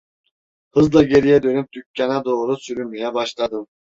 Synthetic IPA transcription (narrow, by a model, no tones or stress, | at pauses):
hɯzlˠɑɡʲeɾijɛd̪ønyp̚t̪ʰykʲʰːɑnɑd̪oːɾusyɾymijɛbɑʃlˠɑd̪ɯm